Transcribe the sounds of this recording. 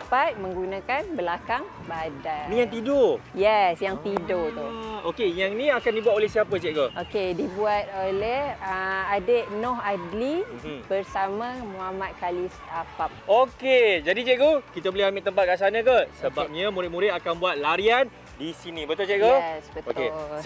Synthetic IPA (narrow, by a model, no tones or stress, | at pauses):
pat̪̚mə̃ŋɡunãkanbəlakaŋ | badanijaŋt̪idojɛsjaŋt̪idot̪ookejaŋnĩakandibuat̪olɛhsiapət͡ʃɛʔɡoʔokedibuat̪̚olɛhəadeʔnɔɦadlibərsamãmuɦamat̪̚kalisapap̚oked͡ʒadit͡ʃɛʔɡokit̪əbəliɦamɪʔt̪əmpat̪̚kasanə̃kəsəbap̚ɲəmuɾɪʔ̚muɾɪʔ̪akanbuat̪̚laɾian | disinĩbət̪ʊlt͡ʃɛʔɡoɛsbət̪oke